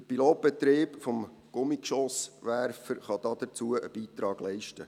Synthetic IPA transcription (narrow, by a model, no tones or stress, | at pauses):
əpiloːt̚b̥ɛt̪ɾiːpfɔm | ɡ̥omikʃɔsʋæɾfəɾχɑd̥̪ɑːd̪̥ət͡suəʔəb̥iːt̪ɾɑːɡ̥lɛɪʃtə